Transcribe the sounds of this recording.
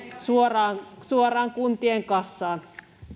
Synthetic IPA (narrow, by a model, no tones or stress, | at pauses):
suorɑːnsuorɑːŋkunt̪ieŋkɑsːɑːn